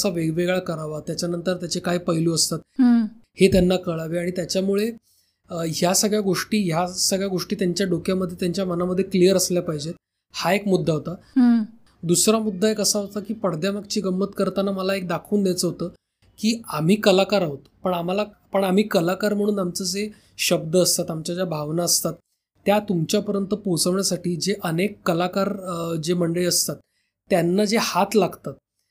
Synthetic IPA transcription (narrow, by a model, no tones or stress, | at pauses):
saʋeɡʋeɡɭakəɾaʋat̪jat͡ɕjanənt̪əɾt̪jat͡ɕekajpəɦiluːəst̪at̪̚het̪janːakəɭaʋeaɽ̃it̪jat͡ɕjamuɭe | ɦjasəɡɭjaɡoʂʈiːɦjasəɡɭjaɡoʂʈiːt̪jaɲt͡ɕjaɖokjaməd̪ʱːjet̪jaɲt͡ɕjamənaməd̪ʱːjeklijəɾəsljapaɦid͡ʑet̪ | haekmud̪ʱːaɦot̪a | d̪usɾamud̪ʱːaekəsaɦot̪akiːpəɽd̪jamək̚t͡ɕiːɡəmːət̪kəɾt̪anaməlaek̚d̪akʰuːnd̪jat͡səɦot̪əː | kiːam̤iːkəlakaɾaɦot̪pəɳam̤ala | pəɳam̤iːkəlakaɾm̤əɽ̃ũːnamt͡səd͡ze | ɕəb̚d̪əəst̪at̪amt͡ɕjad͡ʑjabʱaʋnaəst̪at̪ː | jat̪umt͡ɕjapəɾjənt̪əpot͡səʋɳjasaʈiːd͡ʑeʔənekːəlakaɾd͡zeməɳɖəɭiəst̪at̪ː | janːad͡zehat̪laɡt̪at̪̚